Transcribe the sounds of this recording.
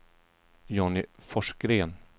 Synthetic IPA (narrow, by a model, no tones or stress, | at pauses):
jɔnɪfɔʂɡɾeːn